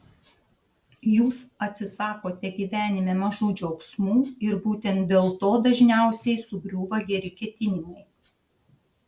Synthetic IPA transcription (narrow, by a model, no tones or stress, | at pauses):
juːsɐt̪ʲsʲɪsɑːkoːt̪ʲɛɡʲiːʋʲæːnʲɪmʲɛːmɐʒuːd͡ʒʲoʊksmuːɪɾbuːt̪ʲɛnt̪̚d̪ʲeːlˠt̪oːd̪ɐʒʲnʲæˑʊsʲɛɪsʊbʲɾʲuːʋɐɡʲɛɾʲɪkʲɛt̪ʲɪnʲɪnʲɛɪ